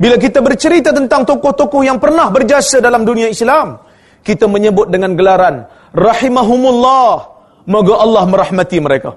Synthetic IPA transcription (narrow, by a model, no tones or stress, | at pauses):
bilak̬it̪abərt͡ʃəɾit̪at̪ənt̪aŋt̪okʊht̪okʊhjaŋpərnahbərd͡ʒiasadalamdunĩaislam | kit̪aməɲəbʊt̪̚dəŋãnɡəlaɾan | rɑħimaɦumulːɑh | maɡaʔɑlːɑhmə̃ɾahmãt̪iməɾeka̰